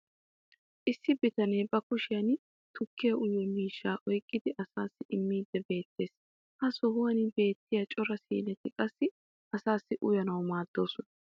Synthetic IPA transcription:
ʔɪsːɪbɪt̪ɐnejbɐkʊʃɪjɐn | t̪ʰʊkːɪjɐʔʊjːɔmiːʃːaːʔɔjkʼːɪd̪ɪʔɐsaːsːɪʔɪmːiːd̪ːɛbe̞ːt̪ːe̞ːs | hɐsɔhʊwɐnɪbe̞ːt̪ːɪjɐt͡ʃʼɔɾɐsḭːnɛt̪ɪkʼɐsːɪ | ʔɐsaːsːɪʔʊjɐnɐwmaːd̪̥ːo̞ːsɔnɐ

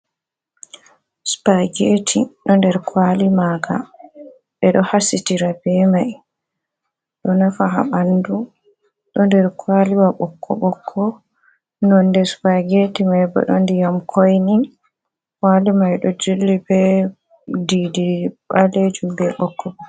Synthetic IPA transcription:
spaɡetʰiɗɔndɛɾkwalimaɡa̰ | ɓɛɗɔhasitiɾabɛmaj | ɗɔnafaɦa̰ɓandu | ɗɔndɛɾkwaliwaɓɔkʰːɔ̰ɓɔkʰːɔ | nɔndɛspaɡetimajbɔ̰ɗɔndijamkʰojnin | kwalimajɗɔd͡ʒulːibɛ | didiɓaled͡ʒumbɛɓɔkːɔɓɔ

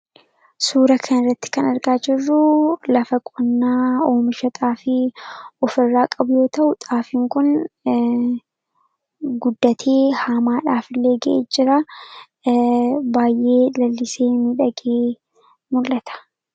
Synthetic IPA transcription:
suːɾɐkʰɐnɪrːɐt̪ːɪ̥kɐnɐɾɡaːd͡ʒɪrːʊlɐfɐkʼɔnːaːoːmɪʃɐt̪ʼaːfɪɔfɪrːaːkʼɐbʊjo̞ːt̪ɐʔʊt̪ʼaːfɪŋkʊn | ɡʊd̪ːɐt̪ʰeːhaːmaːᶑaːfɪlːe̞ːɡɐʔeːd͡ʒɪɾa | baːjʔe̞ːlɐlːɪse̞ːnɪᶑɐɡeː | mʊlːɐt̪ʰɐ̥

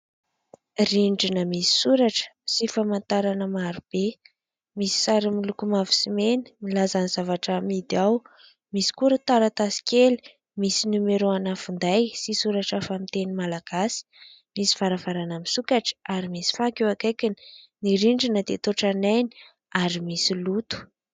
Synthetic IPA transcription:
riɳɖ͡ʐinəmisi̥suɾaʈ͡ʂə̥sifamant̪aɾanəmaɾub̥e | misi̥saɾimilukumavu̥simeni̥milazaniz̥avaʈ͡ʂamid̪iaw | misi̥kuɾət̪aɾat̪asi̥kʲeli̥ | misinumeɾoanafund̪ajsisuɾaʈ͡ʂafamit̪enimalaɡ̥asi̥ | misi̥vaɾavaɾanamisukaʈ͡ʂə̥aɾimisi̥fakewakajkini̥niɾiɳɖ͡ʐinəd̪et̪oʈ͡ʂanajni̥ | aɾimisilut̪u̥

